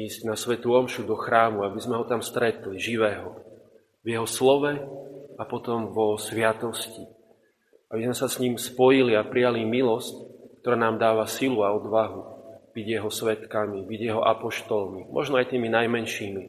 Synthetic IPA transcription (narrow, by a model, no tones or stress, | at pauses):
iːzɟnasʋɛt̪uɔmʃud̪ɔxɾaːmuabizmɛɦɔt̪amst̪ɾɛt̪liʒiʋɛːɦɔ | vjɛɦɔslɔʋɛapɔt̪ɔmvɔsʋɪat̪ɔsci | abizmɛsasɲimspɔjiliapɾijalimilɔsckt̪ɔɾaːnaːmd̪aːʋasiluaɔd̪ʋaɦub̥iɟjɛɦɔsʋɛt̪kamibiɟjɛɦɔʔapɔʃt̪ɔlmimʔɔ̰ʒnɔajt̪iːminajmɛnʃiːmi